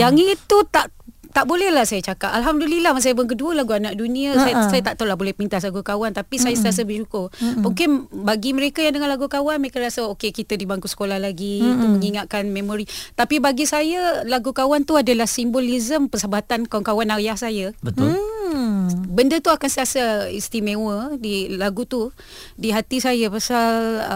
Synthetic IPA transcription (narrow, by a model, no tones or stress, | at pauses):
jaŋit̪ut̪aʔ | t̪aʔbolɛhlahsajat͡ʃakapalɦamdəlilahmas̬ajapʊnk̬əduəlaɡuanãʔ̚dunĩəsajsajat̪aʔt̪alahbolɛhpəmint̪as̬laɡukawant̪apisajasət̪ias̬əbəʃukʊrmuŋkɪnbaɡimə̃ɾekajaŋdəŋãnlaɡukawanməɾekaɾasaokekit̪ədibaŋkusə̥kolahlaɡiːt̪umə̃ŋiŋaʔ̪̚kanmẽmoɾit̪apibaɡisajalaɡukawant̪uadalahsimbolizəmpəsəbat̪ankawankawanajahsajəbət̪ʊl | bəndət̪uakansəiasaist̪imewədilaɡut̪u | diɦat̪isajapasal